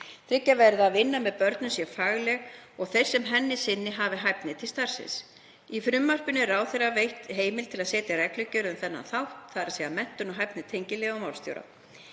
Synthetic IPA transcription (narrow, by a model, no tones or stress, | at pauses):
θɾɪcːavɛɾðaðvɪnːamɛðpœɾt̪nʏmsjɛfaːɣlɛɣɔɣθejr̥sɛmɦɛnːɪsɪnːɪɦaːvɪɦajpnɪt̪ʰɪlst̪ar̥sɪ̰̃ns | ifɾʏmːar̥pʏnɪɾraːwθejravejht̪ɦeːjmɪlt̪ʰɪlaðsɛːt̪jarɛklʏcːʏɾʏmθɛnːa̰nθawht̪θaɾasɛamɛn̥t̪ʏnɔɦajpnɪt̪ʰejɲcɪlɛɣawmawl̥st̪jo̰wɾa̰